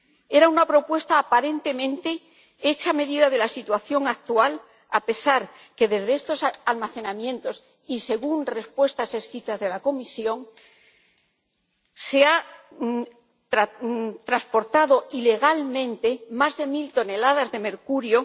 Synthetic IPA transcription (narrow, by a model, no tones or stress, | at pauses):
e̞ɾaunapɾo̞pwe̞st̪aːpaɾe̞nt̪e̞mẽ̞nt̪e̞ | e̞t͡ʃame̞ðiðaðe̞lasit̪waθjo̞ŋak̚t̪ual | ape̞saɾ | ke̞ðe̞zðeest̪o̞salmaθe̞namjẽ̞nt̪o̞s | ise̞ɣunre̞spwe̞st̪ase̞skɾit̪azðe̞lako̞misjo̞ŋ | se̞a | t̪ɾat̪ɾaspo̞ɾt̪aðo̞ʔile̞ɣ̞almẽ̞nt̪e̞mazðe̞milt̪o̞ne̞laðazðe̞me̞ɾkuɾjo